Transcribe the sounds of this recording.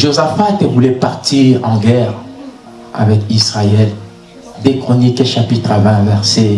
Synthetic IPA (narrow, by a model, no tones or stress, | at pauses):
ʒozafaet̪ɛvulɛpaʁt̪iʁɑ̃ɡɛʁ | a̰vɛkisʁaɛl | d̪ekχonikeʃapit̪χavɛ̃vɛʁse